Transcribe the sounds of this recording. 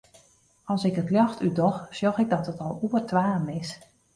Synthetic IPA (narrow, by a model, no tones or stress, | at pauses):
ɔlˠsɪkətljɔxtydɔxsjɔxɪk̚dɔtətɔlˠuərtʰʋaːmɪs